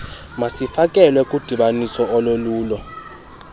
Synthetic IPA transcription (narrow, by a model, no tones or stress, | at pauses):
masifakʼɛlwɛkʼud̥ʱiɓanisɔɔloluːlɔ